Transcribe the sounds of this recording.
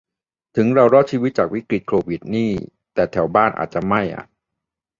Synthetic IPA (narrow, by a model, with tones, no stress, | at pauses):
t̪ʰɯ˩˦ŋɾa˧wɾɔː˦˥t̪̚t͡ɕʰiː˧wi˦˥t̪̚t͡ɕaː˨˩k̚wi˦˥kɾi˨˩t̪̚kʰoː˧wi˨˩t̪̚niː˥˩ | t̪ɛː˨˩t̪ʰɛ˩˦wbaː˥˩nʔa̰ː˨˩t̪̚t͡ɕa˨˩ma˥˩jʔa̰˨˩